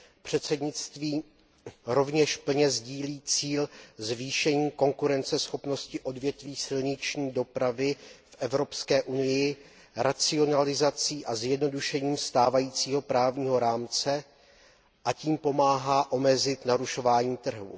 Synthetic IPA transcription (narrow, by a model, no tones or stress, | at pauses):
pr̝̥ɛt̪sɛdɲɪt͡st̪viː | ɾo̞vɲɛʃpl̩ɲɛzɟiːliːt͡siːlzviːʃɛɲiːko̞ŋkuɾɛnt͡sɛsxo̞pno̞scɪʔo̞dvjɛt̪viːsɪlɲɪt͡ʃɲiːdo̞pɾavɪfʔɛvɾo̞pskɛːʔunɪjɪ | ɾʔat͡sɪonalɪzat͡siːʔazjɛdno̞duʃɛɲiːmst̪aːvajiːt͡siːɦo̞pɾaːvɲiːɦo̞ɾaːmt͡sɛ | ʔaciːmpo̞maːɦaːʔo̞mɛzɪt̪naɾuʃo̞vaːɲiːt̪r̩ɦṵ